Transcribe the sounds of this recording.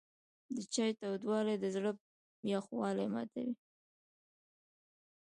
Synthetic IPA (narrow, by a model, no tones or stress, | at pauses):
d̪ət͡ʃɑjt̪awd̪wɑled̪əzɽə | mjɑxwɑlajmɑ̰t̪a̰wi